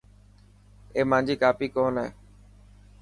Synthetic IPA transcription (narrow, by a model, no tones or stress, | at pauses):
eːmãːd͡ʒiːkaːpiːkoːnḛː